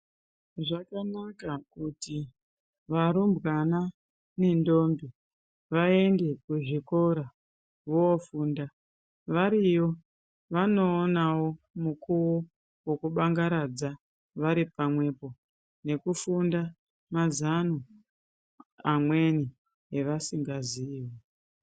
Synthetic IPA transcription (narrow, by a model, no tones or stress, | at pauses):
ʐakanakakuti | ʋaɾumbɣana | ne̞ndo̞ːmbi | ʋae̞nde̞kuʐiko̞ɾa | ʋoofuːnda | ʋaɾijo̞ | ʋano̞ːnawo̞ | mukʰuwo | wokuɓaŋɡaɾad͡za | ʋaɾipamwe̞po̞ | ne̞kufunda | mazanu | amwe̞ni | eʋasiŋɡaziːwe